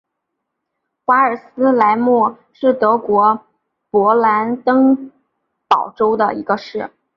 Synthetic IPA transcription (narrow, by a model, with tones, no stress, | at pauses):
xwa˧˥ə˞˨˩sɹ̩˥la˧˥ɪmwɔ˥˩ | ʂɻ̩˥˩t̪ɤ˧˥kwɔ˧˥ | pwɔ˧˥la˧˥nt̪ɤ˥ŋ | pɑ˨˩ʊʈ͡ʂo˥ʊd̪ə̰˨i˧˥ɡə˧ʂɻ̩˥˩